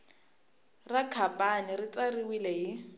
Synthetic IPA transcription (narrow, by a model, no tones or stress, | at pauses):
rakʰapʼanɪrɪt͡sariwilɛɦɪ